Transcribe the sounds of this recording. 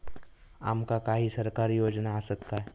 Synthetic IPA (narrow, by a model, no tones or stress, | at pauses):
a̰ːmkakaːɦisɐɾkaːɾijoːd͡ʒnaːsəkːaɦɛ